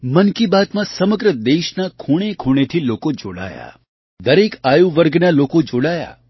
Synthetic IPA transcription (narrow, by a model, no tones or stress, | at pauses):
mənkibat̪mãsəməɡɾəd̪eʃnakʰoɽ̃ekʰoɽ̃et̪ʰilokod͡ʒoɽa̰ja̰ | d̪əɾekajuʋəɾɡnalokod͡ʒoɽaja̰